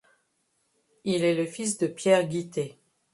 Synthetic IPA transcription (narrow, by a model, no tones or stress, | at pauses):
ilɛləfis̬d̪əpjɛʁɡʲit̪e